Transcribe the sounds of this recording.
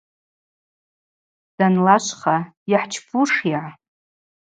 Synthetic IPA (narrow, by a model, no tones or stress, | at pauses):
d̥anlaʃʷχajaħt͡ʃʰpʰuʂiʕa